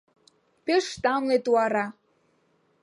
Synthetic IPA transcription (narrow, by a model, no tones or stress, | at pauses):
peʃt̪ɑmlet̪uɑɾɑ